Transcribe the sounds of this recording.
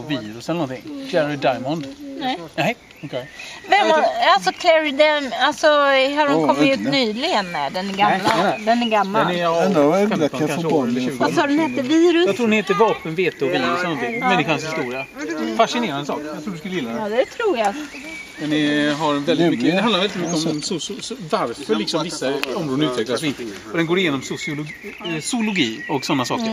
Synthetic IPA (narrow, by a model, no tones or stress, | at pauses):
viːɾʊsɛlənɔnt̪ʰɪŋfæɾaɛd̪ajmɔnd̪nɛnɛhɛ | ɔkʰɛvɛmaalsɔkʰlɛɾɪd̪ɛmalsɔhaɖɔmkʰɔmɪʉ̟ːt̪nyːlɪɡənːɛ̰ɖɛnæɡamːlad̪ɛnæɡamːaɛɛɛnd̪ɛakakaffobɑnassɑːdɛnheːt̪ːəviːɾʊsjɑt̪ʰɾuːɖ̪ɛnheːt̪əɾvɑːpənveːt̪ʰeɔviːɾʊsɛlənɔt̪ʰɪŋmɛnːɪɧanshɪst̪uːɾɪafaʂɪneːɾand̪əsɑ̰ːkjat̪ʰɾuːdɵskɵləjɪlːad̪ɛt̪ʰɾuːja | mɛnːɪɦaɾvɛlɪt̪mʏkːəd̪ɛhanaɾvɛlɪt̪mʏkːəɔmmsʊsvaɾfœɾɭɪksɔmvɪsːaɔmɾoːd̪əʉ̟ːt̪vɛklasɛɪnt̪ə | ɔd̪ɛnɡoːɾɪjeːnɔmsʊsɪʊ | sʊlʊɡiːɔksɔnːasɑ̰ːk